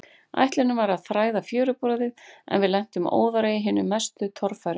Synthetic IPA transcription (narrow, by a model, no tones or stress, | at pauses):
a̰jht̪lɪnʏmvaɾaðθɾaːjðafjœːɾʏpɾɔːðɪðɛ̰nvɪðlɛn̥t̪ʏmo̰ːwðaɾajɪɦɪːnʏmːɛst̪ʏt̪ʰɔɾfajɾʏ